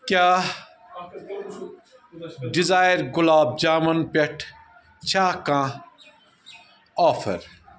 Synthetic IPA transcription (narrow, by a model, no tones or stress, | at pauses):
kʲaː | ɖizaːjɾɡʊlaːb̚d͡ʒaːmɐnbeʈʰ | t͡ʃʰaːkãː | aːfʰɐ̰ɾ